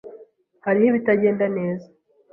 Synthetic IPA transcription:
haɾihiβitaɟe̞ːndane̞ːzḁ

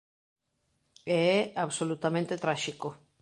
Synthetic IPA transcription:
ɛɛaβsolut̪amẽnt̪et̪ɾaʃiko

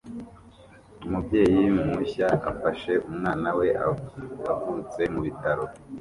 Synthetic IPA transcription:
umubje̞ːjimuçaa̰faʃe̞ʔumŋaːnawe̞ʔaaɡuɾut͡se̞muβitaɾo̞

